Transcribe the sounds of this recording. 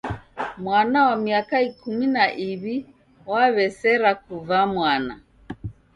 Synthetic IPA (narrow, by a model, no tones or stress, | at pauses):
mwanawamiakaikuminaʔiβi | waβɛsɛɾakuvamwana